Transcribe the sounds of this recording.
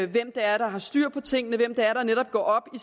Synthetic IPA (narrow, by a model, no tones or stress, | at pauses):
ʋem̰d̥ɑæɐɾ̥ɑ̈ɦɑ̈sd̥yɐ̰pʰɒ̽t͡sʰe̝ŋ̰ənəʋem̰d̥ɑæɐɾ̥ɑ̈neɾ̥ɒ̽b̥̚ɡ̥ɒ̰ːɒ̽b̥i